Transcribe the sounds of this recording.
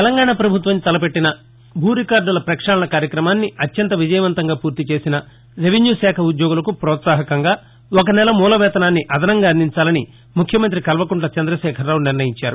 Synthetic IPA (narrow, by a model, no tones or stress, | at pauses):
t̪ɛlɐŋɡaːɳapɾɐbʱut̪ʋɐmit̪ɐlɐpe̞ʈːinɐ | bʱuːɾikaːɾɖulɐpɾɐkʂaːlɐnɐkaːɾjɐkɾɐmaːnːiɐt̪jɐnt̪ɐʋid͡ʒɐjɐʋɐnt̪ɐŋɡaːpuːɾt̪it͡ʃe̞ːsinɐ | ɾeʋinjuːsɛːkʰɐud̪jɔːɡulɐkupɾɔːt̪saːɦɐkɐŋɡaː | okɐnɛlɐmuːlɐʋɛːt̪ɐnaːnːiʔɐd̪ʱɐnɐŋɡaːɐnd̪iɲt͡ʃaːlɐni | mukʰːjɐmɐnt̪ɾikɐlʋɐkuɳʈlɐt͡ʃɐnd̪ɾɐʃɛːkʰɐɾːaːwuniɾnɐjiɲt͡ʃaːɾu